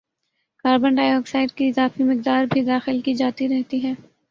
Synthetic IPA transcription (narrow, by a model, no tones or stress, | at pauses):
kaːɾbə̃ɳɖaːjɔːksaːɪɖ̚kiɪzaːfimɪqd̪aːɾbʱid̪aːxɪlkid͡ʒaːt̪iɾɛɦt̪iɦɛː